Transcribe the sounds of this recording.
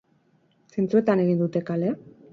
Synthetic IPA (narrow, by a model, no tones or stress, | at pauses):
sent͡sue̞t̪ane̞ɣind̪ut̪e̞kale